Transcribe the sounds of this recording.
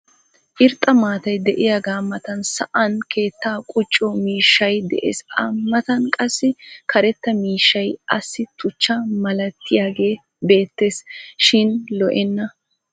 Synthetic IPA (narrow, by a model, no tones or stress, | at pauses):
ʔɪɾt̪ʼːɐmaːt̪ɐjd̪ɛʔɪjaːɡaːmːɐt̪ɐnsɐ̰ʔɐnkʰe̞ːt̪ːaːkʼʊt͡ʃʼːɔmiːʃːɐjd̪ɛ̰ʔḛːsɐmːɐt̪ɐnkʼɐsːɪkʰɐɾɛt̪ːɐmiːʃːɐjɐsːɪt̪ʊt͡ʃːɐmɐlɐt̪ʰːɪjaːɡe̞ː | be̞ːt̪ːe̞ːsʃɪnlɔʔɛnːɐ